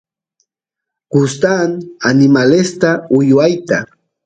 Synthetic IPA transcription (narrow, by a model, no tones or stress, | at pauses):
kʊst̪ananɪmalest̪aʊjwajt̪a